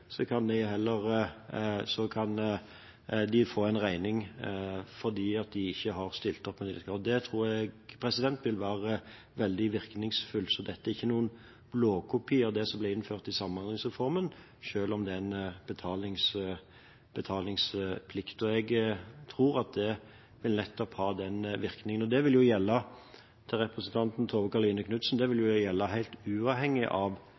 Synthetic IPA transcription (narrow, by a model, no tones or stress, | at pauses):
sɔkʰɑnd̪ɛɦɛlːəɾ | sɔkʰɑn | d̪ɪfoːæɪnʁæɪnɪŋ | fɔʁd̪iːɑt̪̚d̪ɪɪçːəɦɑʁst̪ɪlt̪ɔpːɛnɪlɪt̪ɡɾɑːd̪d̪ɛt̪ʰʁuːɾɛɡpʰɾɛsɪd̪ɛnt̪ʋɪlʋæːʁə | ʋɛld̪ɪʋɪʁknɪŋsfʉlsɔd̪ɛt̪ːəæɾʁɪçːənuːən | bloːkʰʊpʰiːɑd̪ɛsɔmblɛɪnføːʁt̪ɪsɑmːnɑlɪŋsʁɛfɔʁmən | ʃøːlɔmd̪ɛnb̥ət̪ʰɑːlɪŋs | b̥ət̪ʰɑːlɪŋspʰlɪkt̪ɔɛɡt̪ʰʁuːʁɑt̪̚d̪ɛ | ʋɪlnɛt̪ːɔphɑːd̪ɛnʋɪɾknɪŋənɔd̪ɛʋɪljʊjɛlːə | t̪ʰɪʁɛpɾəsənt̪ʰɑnt̪n̩t̪ʰoːʋəkɑʁliːnəkʰnʉt̪sn̩d̪ɛʋɪljʊjɛlːəɦæɪlt̪ʉːɑːʋhɛŋːɪʔɑʋ